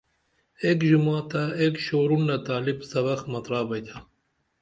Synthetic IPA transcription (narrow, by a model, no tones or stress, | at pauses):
ekʒumaːt̪aekʃoːɾunlɐt̪aːlibsɐβɐxmɐt̪ɾɑːbɐjt̪ʰa